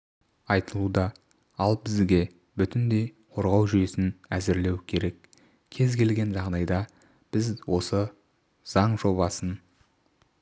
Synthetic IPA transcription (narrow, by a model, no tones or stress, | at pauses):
ɑjt̪əlˠud̪ɑ | ɑlˠbɪzɡʲe̞ | bʏt̪ɪnd̪e̞j | qʰo̞ɾʁɑwʒʏje̞sɪnæzɪɾle̞wkʲʰe̞ɾe̞k | kʲʰe̞zkʲʰe̞lɡʲe̞nʒɑʁd̪ɑjd̪ɑ | b̥ɪzwo̞sə | z̥ɑɴʒo̞bɑsən